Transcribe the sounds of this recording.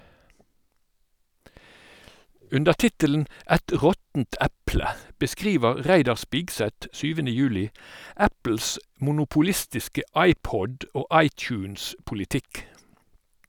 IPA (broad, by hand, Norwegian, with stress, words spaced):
ˈʉndəʁ ˈtɪtələn̩ ˈæt ˈʁɔtn̩t ˈæplə bəˈskʁiːʋəʁ ˈʁæɪdɑʁ ˈspɪɡsɛt ˈsyːʋənə ˈjʉːlɪ ˈæpl̩s mʊnʊpʊˈlɪstɪskə ˈʔɑɪˌpɔd ˈoː ˈʔɑɪˌt͡ʃʉːnspʊlɪˌtɪk